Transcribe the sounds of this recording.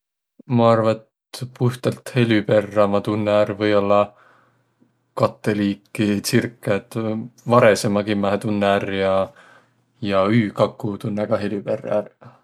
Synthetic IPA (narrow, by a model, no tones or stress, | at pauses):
mɑɑrvɑet̪ | puht̪ɑlt̪he̞lʲype̞rːɑmɑt̪unːæɾvɤjo̞lːɑ | kɑt̪ːˑeliːkːˑisirkˑːet̪ːvɑɾe̞semɑɡimæhet̪unːærjɑ | jɑyːkɑkːut̪unːæɡ̥ɑɦe̞lʲyperːæ̰r